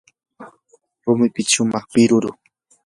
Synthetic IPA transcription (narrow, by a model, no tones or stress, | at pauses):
ɾʊmɪpɪt͡ʃʊmɑχpɪɾʊɾʊ